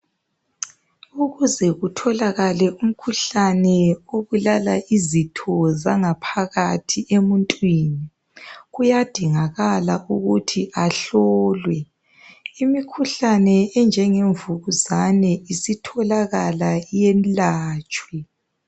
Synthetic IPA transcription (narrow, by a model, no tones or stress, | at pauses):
uɣuzɛɣutʰɔlaɣalɛʔum̩kʰuɬanɛoβulalaʔizitʰɔzaŋapʰaɣatʰiemuntʼwiːni | ɣujad̥ʱiŋaɣala̰ʔuɣutʰiʔaɬɔːlwɛ | imikʰuɬanɛɛnd͡ʒʱɛŋeɱvuɣuzanɛisitʰɔlaɣalajenlaːt͡ʃʼwɛ